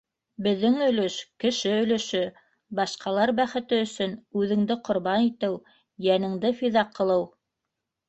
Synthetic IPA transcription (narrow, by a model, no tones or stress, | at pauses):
bɘ̆ðːɘŋɵ̆lɵʃkɘ̆ʃɘɵ̆lɘ̆ʃɵ | bɑʃqɑlˠɑɾbæχɘ̆t̪ɘɵ̆sɵnʉðɘ̆ŋd̪ɘqŏɾβɑnit̪ɘw | jænɘ̆ŋd̪ɘfiðɑqʰːɤ̆lˠɤw